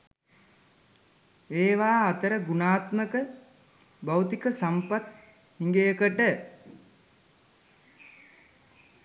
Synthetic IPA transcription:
eːʋaːt̪əɾəɡunaːt̪məkə | bawt̪ikəsampat̪ | hiŋɡejəkəʈə

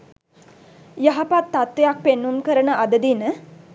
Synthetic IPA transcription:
jaɦapat̪ːat̪ʋejak̚penːunkəɾənəʔad̪əd̪inə

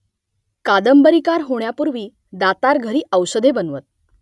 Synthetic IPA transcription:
kad̪əmbəɾikaɾɦoɳjapuɾʋiː | d̪at̪aɾɡʱəɾiːʔəwsəd̪ʱebənʋət̪̚

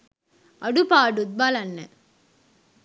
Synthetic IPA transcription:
ɐɖupaːɖud̪̚balɐnːə

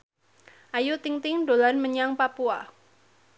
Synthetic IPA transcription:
ʔajut̪ɪŋt̪ɪŋdolanməɲaŋpapua

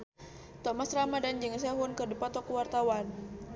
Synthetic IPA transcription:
t̪ɔmasramadand͡ʒəŋs̬aɦunkədipat̪ɔkuwart̪awan

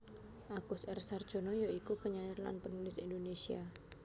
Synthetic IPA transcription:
ʔakʊsɛrsard̥ʒ̥o̤nɔjoikupəɲajirla̰npənulɪsindonesia̰

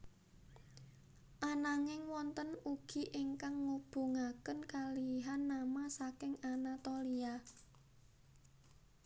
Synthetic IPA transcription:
ʔanaŋɪŋwɔnt̪ənuɡ̥i̤ʔɪŋkaŋːub̥ṳŋakənkaliɦanːamasakɪŋanat̪olia

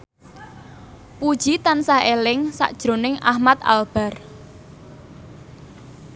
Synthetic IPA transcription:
pud̥ʒ̥it̪ansaelɪŋsa̰ʔd̥ʒ̥ɾo̤nɪŋʔa̰hmat̪̚a̰lb̥a̤r

